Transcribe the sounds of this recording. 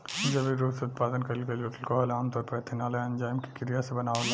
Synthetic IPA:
d͡ʒɐbiɾuːseʊt̪̚paːd̪ənkɐɾikɐd͡ʒoːʈəlkoɦɐlaːmt̪ɔːɾpɐɾɐt̪ʰɪnaːləɐ̃nd͡ʒaːjmki̥kɪɾijasebɐnaːʋne

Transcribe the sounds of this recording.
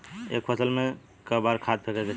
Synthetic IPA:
ḛkpʰəsəlme | kəbaɾkʰad̪̚pʰekɛke

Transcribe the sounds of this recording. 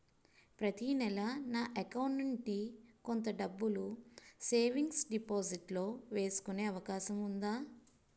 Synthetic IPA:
pɾɐt̪inɛlɐnaːʔɐkɐwɳʈɐɳʈikont̪ɐɖɐbːuluse̞ːʋiŋɡsɖipoːziʈlo̞ːʋe̞ːsu̥kune̞ːɐʋɐkaːʃɐmund̪aː

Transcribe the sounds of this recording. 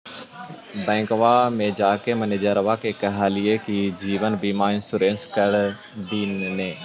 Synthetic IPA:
bɛ̃ːŋkʋamẽd͡ʒaːkemɐned͡ʒəɾɐʋakekɐɦaːlijekid͡ʑiːʋənbiːmaːɪ̃nsʊɾẽːnskɐɽ | d̪iːnnẽː

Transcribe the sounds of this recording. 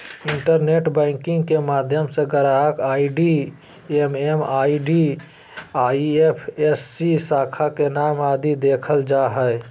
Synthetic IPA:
ɪ̃ɳʈəɾneːʈbɛ̃ːŋkɪ̃ŋɡkemaːd̪ʱjəmseɡəɾakaːiɖi | ememaːiɖi | aːiepʰesːisaːkʰakenaːmaːd̪id̪eːkʰəld͡ʒaɦɛɪ

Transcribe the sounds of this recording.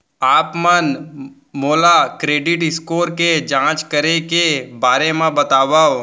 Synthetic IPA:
aːpmən | moːlakɾeːɖɪʈɪskoːɾked͡ʒãːt͡ʃkəɾekebaːɾemẽbɐt̪aːbaːo

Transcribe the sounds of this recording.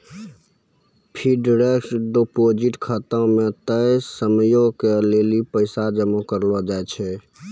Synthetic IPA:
pʰiɖɾeksɖ̪opod͡ʒiʈkʰət̪ãmẽt̪əjsəmjõkelelipəɪsad͡ʒəmokəɾlɔd͡ʒaet͡ʃʰɛ

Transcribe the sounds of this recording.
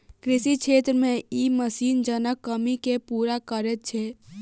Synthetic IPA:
kɾɪsikʃʰeːt̪ɾəmẽiməsiːnd͡ʒənəkːəmikepuːɾakəɾet̪̚t͡ʃʰeː

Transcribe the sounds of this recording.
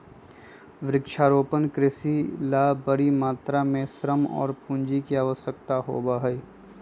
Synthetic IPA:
ʋɾɪkʃaːɾoːpənkɾɪsilaːbəɾimaːt̪ɾamẽsɾəmɔ̰ːɾpũɲd͡ʒikiaːʋəsjək̚t̪aɦo̰ːbaɦəi

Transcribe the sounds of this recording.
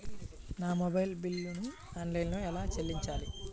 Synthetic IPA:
naːmobɐjlbilːunu | aːnlɐjnloɛlaːt͡ʃelːiɲt͡ʃaːli

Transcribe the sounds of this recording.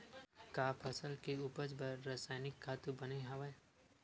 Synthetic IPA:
kaːpʰɐsəlkeuːpəd͡ʒbəɾːaːsaːɪnɪkʰːaːt̪ubəneɦɐʋa

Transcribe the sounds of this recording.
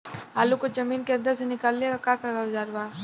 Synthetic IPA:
aːlukod͡ʒɐmiːnkeɐ̃nd̪əɾsenɪkaːlːeɡakakaɡɐʋd͡ʒaːɾbaː

